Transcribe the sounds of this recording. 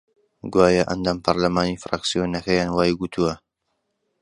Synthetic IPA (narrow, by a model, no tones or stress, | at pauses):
ɡwaːjɐʔɐ̰nd̪aːmpʰɐɾlɐmaːniːfɾa̰ksijonɐkɐjaːnwaːjɡut̪ʰuwɐ